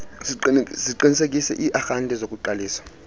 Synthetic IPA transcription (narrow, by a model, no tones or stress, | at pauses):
ziǃinisekʼisɛ̰ʔiʔaxantʼɛzokʼuǃaliːsḁ